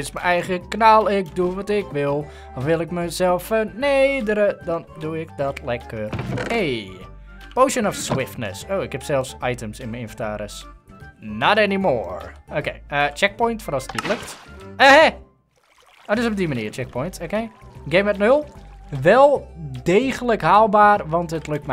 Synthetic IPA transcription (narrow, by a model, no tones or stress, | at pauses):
ɪsməɛjɣəknalˠɪk̚duʋɔtɪkʋɪlˠ | ɔfʋɪlˠɪkməsɛlˠfːəneːdəɾədɔnduɪkdɔtʰlɛkəreː | poːʃənɔfswɪftnə̰soːɪkhɛpsɛlˠfsajtəmsɪnməɪnfəntaːɾəs | nɔtɛnimo̰ːɹokeːət͡ʃɛk̚pɔjntfɔnɔsətnitløktəɛ | odøsɔb̚diməniːərt͡ʃɛk̚pʰɔjntokeːɡeːmətnølˠʋɛlˠdeːɣələkhaːlˠbaːrʋɔntətløk̚tm